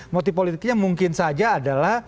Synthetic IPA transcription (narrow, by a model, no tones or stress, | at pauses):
mot̪ipolit̪ɪk̚ɲamuŋkɪnsad͡ʒaːdalah